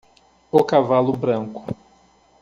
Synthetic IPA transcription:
ʊkavalʊbɾɐ̃ŋkʊ̥

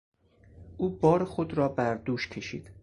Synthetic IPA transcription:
ʔuːbɒːɾexod̪ɾɒːbæɾd̪uːʃcʰe̞ʃḭːd̪̥

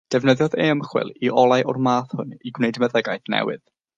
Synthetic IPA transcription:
d̥ɛvnəðjɔðeːmχwɪ̰lˠiʔɔlˠajʔʊrmaːθhʊniɡwnejdməðɛɡajθnɛ̰wɨ̰ð̥

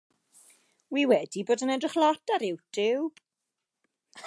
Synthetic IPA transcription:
wiːwɛdiboːdənɛdrɪχlˠɔtaɾɪwtʰɪw

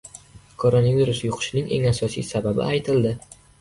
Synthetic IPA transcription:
kʰoɾonaviɾusjʊqʰɨ̥ʃɪnɪŋʔe̞̰ŋasɒsḭjsababɪ̰ajt̪ʰɪld̪ɪ

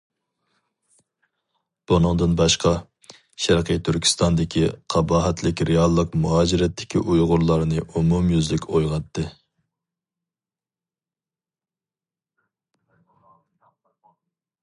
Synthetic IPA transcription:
b̥unɨŋd̪ɨnbɑʃqɑ | ʃæɾqʰəjt̪ʰyɾkʲʰi̥st̪ɑnd̪ɪkʲʰiqʰɑbɑːɦɛt̪ʰlɪkʲɾeɑlˠːəqmuɦɑːd͡ʒiɾɛt̪ʰːɪ̥kʲʰiʔujʁʊɾlˠɑɾnɨʔumumjyzlɪkʲojʁɑt̪ːɨ

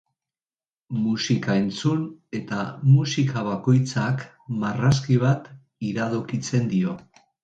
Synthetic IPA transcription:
musikae̞nt͡sune̞t̪amusikʰaβ̞ako̞jt͡sak | maraskiβ̞at̪ | iɾaðokit͡se̞nd̪io̞

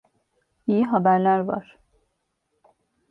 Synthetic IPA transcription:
ijiɦabæɾlʲæɾva̰ɾ̥

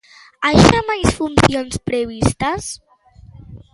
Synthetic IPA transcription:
ajʃamajsfunsionspɾeβ̞ist̪əs

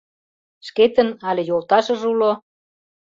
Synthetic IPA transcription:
ʃket̪ə̆nɑlʲĕjolt̪ɑʃə̆ʒulo

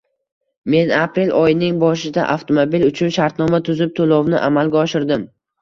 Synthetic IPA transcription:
me̞napɾe̞lʔɒjɪnɪŋbɒʃɪd̪a̰ʔaft̪ʰomobilʊt͡ʃʰʊnʃaɾt̪nɒmat̪ʰʊzɪp̚t̪ʰolˠɒwnɪʔamalˠɡʲaɒʃɪɾd̪ɪm

